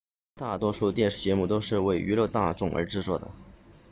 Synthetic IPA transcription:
t̪a˥˩t̪wɔ˥ʂu˥˧t̪jɛ˥˧nʂɻ̩˥˩t͡ɕjɛ˧˥mu˥˩t̪o˥ʊʂɻ̩˥˧we˥˩ɪʔy˧˥lwɤ˥˧t̪a˥˧ʈ͡ʂʊ˥˩ŋʔə̰˞˧˥ʈ͡ʂɻ̩˥˧t͡swɔ˥˩d̪ə̰˩

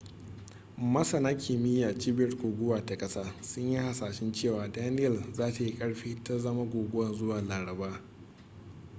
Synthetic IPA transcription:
mɐ˦sɐ˨naː˦kʲʰiː˨mɪ˦jaː˨t͡ʃi˦bɐ˦rɡʷoː˨ɡʷʊ˦waː˨ta˨kʼɐ˦saː˦sʊ˦ɲji˦ha˨saː˨ʃɪ˦nt͡ʃeː˦˨waː˨daː˦nɪ˦jɐ˨lzaː˦ta˨ji˦kʼɐ˦ɽɸiː˦ta˦zɐ˦ma˦ɡʷoː˨ɡʷʊ˦wɐ˨nzʊ˦waː˨laː˨ɽɐ˨baː˦

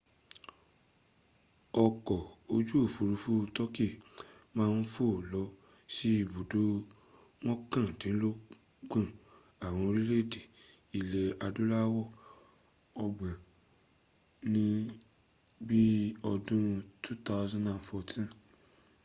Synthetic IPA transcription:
ɔ˧kɔ˨o˧d͡ʒu˦o˦˨fu˨ɾu˧fu˦tɔ˦ki˦˨mãː˦˧n̩˦fo˦˨lɔ˨˦ | ʃi˦i˦˨bu˨do˦ | w̃ɔ̃˦kã˦˨tĩ˨˦lo˦ | ɡ͡bã˦˨ | a˨w̃ɔ̃˧o˧ɾi˦le˦˨de˨ | i˨lɛ˨a˧du˦la˦wɔ˦˨ | ɔ˧ɡ͡bã˨ | nĩ˦ | bi˦ɔ˧dũ˦tu˦ta˦ʊ˦zã˦nã˨nfɔ˧tʰĩ˦

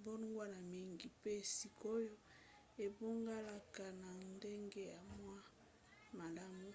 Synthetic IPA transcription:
bo˦nu˦ŋɡwa˦na˨mi˦ŋɡi˨pe˦˨si˨ko˦jo˦ | e˨bo˦ŋɡa˦la˦ka˨na˨nde˦ŋɡe˦ja˨mwa˦ | ma˨la˦mu˦

